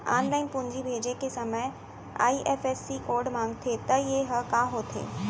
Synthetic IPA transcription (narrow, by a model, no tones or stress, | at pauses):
a̰ːnlaːɪnpʊ̃ɲd͡ʑibʱeːd͡ʑekesɐməj | a̰ːiʔeːfeːsikoːɾɖmãːŋɡ̚t̪ʰet̪ɐjeɦɐkaɦoːt̪ʰḛː